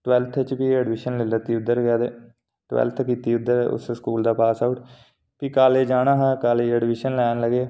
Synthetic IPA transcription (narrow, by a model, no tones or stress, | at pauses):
ʈwɛlt̪ʰt͡ʃbiːɛːɖʋɪʃənlɪlət̪iːʊd̪ːəɾɡjaːd̪eː | ʈwɛ̰lt̪ʰkiːt̪iːʊd̪ːəɾʊ̰sskuːld̪aːpaːsaːʈ | piːkaːleːd͡ʒaːnaːɦaːkaːleːɛːɖʋɪʃənlɛːnləɡeː